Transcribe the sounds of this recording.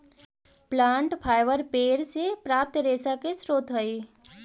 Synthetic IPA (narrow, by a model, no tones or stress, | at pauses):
plãːɳʈpʰaːjʋəɾpeːɾsepɾaːp̚t̪ɾeːsakesɾoːt̪ɦəiː